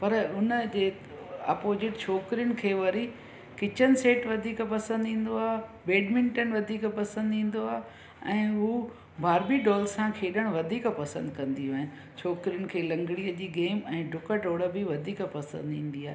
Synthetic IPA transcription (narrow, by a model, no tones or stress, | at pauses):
pɐɾʊnəd͡ʑeː | ɐ̰ːpoːzɪʈt͡ɕʰoːkɾijʊnɪ̆kʰeːʋɐɾi | kɪt͡ɕənɪ̆seːʈʋɐd̪ʱiːkpɐsə̃nd̪ɦĩːn̆d̪oaːɦebeːɖmɪ̃ɳʈənʋɐd̪ʱiːkpɐsə̃nd̪ɦĩːn̆d̪oaːɦe | ɛ̃ːɦu | bʱaːɾbiɖɔːlsãkʰeːɗəɽ̃ʋɐd̪ʱiːkpɐsə̃nd̪kɐ̃nd̪iɦuaːɦɪn | t͡ɕʰoːkɾijʊnɪ̆kʰeːlɐ̃ŋɡɽijəd͡ʑiːɡeːmɛ̃ːɖʱʊkəʈoːɽəbiʋɐd̪ʱiːkpɐsə̰̃nd̪ĩːn̆d̪iaːɦe